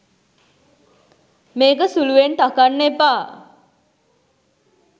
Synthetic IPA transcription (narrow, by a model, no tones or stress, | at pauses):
meːkəsuluʋent̪akanːepa